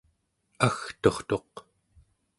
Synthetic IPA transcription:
axt̪o̞χt̪o̞q

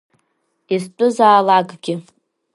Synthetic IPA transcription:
izt͡pʼʊzaːlaɡʼɡʲɪ

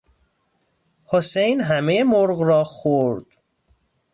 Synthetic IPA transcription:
hosejnɦæmejemoɾɣrɒːxoɾd̪̥

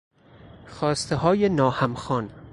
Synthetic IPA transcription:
xɒːst̪eɦɒːjenɒːhæmxɒːn

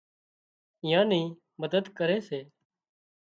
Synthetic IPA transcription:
ɪjãːniː | məd̪əd̪kəɾeːseː

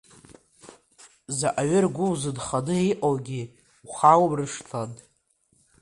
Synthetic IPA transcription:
zaʔaɥʏrɡʷʊwzɨdχanɨiqʼowɡʲi | χawbrɨʂtʰan

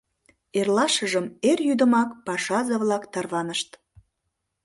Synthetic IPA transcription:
erlɑʃəʒəmerjyd̪əmɑkpɑʃɑzəβlɑkt̪ɑrβɑnəʃt̪

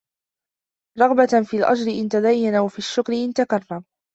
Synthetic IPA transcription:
ɾˤɑɣbafiːlʔa̰d͡ʒɾɪʔɪnt̪ad̪ajːanawafiːaʃːʊkɾɪʔɪnt̪akɑrˤːɑm

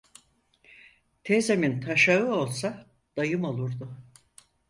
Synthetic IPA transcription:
t̪ʰezemint̪ʰaʃaɯo̞lˠsa | d̪̥ajɯmo̞lˠuɾd̪ʊ

